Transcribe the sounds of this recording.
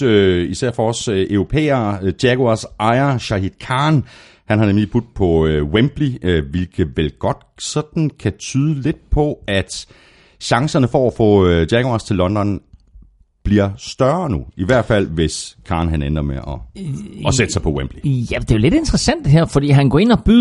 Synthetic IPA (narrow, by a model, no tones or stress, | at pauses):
øisæɐ̰fɒɒ̽sʔøʊʁo̝pʰḛːɐːd̥jæɡ̥oɑsʔɑ̈ɪɐɕɑ̈hid̥kʰɑ̈ːn | hænhɑ̈nemlib̥ud̥̚pʰɒ̽wemb̥liʋilɡ̥ʰəʋelɡ̥ɒ̽d̥sɒ̽d̥n̩kʰæt͡sʰyːð̞ˠəle̝d̥̚pʰɒ̽æd̥ | ɕɑ̈ŋsɐnəfɒæfɔ̰ːd̥jæɡ̥oɑ̈st͡sʰe̝lːɒ̽nd̥ɒn | b̥liɐ̰sd̥ɶɐnuiʋæɐ̰d̥fæl̰ʋe̝skʰɑ̈ːnɦænen̥ɐmeʔɒ̽ɒsed̥əsɑ̈ɪpʰɒ̽wemb̥lijæd̥e̝jo̝le̝d̥e̝nd̥ʁɐsæn̰d̥eɦæɐ̰fɒd̥ḭːɦænɡɒ̰ːe̝n̰ɒb̥y